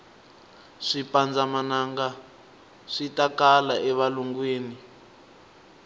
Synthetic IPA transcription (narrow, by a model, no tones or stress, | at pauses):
ʂipand͡zamanaŋɡa | ʂitakalaʔɛβaluŋɡweːni